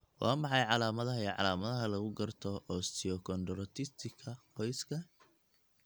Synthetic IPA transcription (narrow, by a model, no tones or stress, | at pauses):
wɑ̰ːmɑħɑjʕɑlaːmɐðɐɦɐɛʕɑ̰laːmɐðɐɦɐlɐɣʊɡɐrt̪ʰɔʔɔst̪ʰɪɔkʰɔnd̪ɾɔt̪ʰɪst̪ʰɪkʰɐqɔjskʰɐ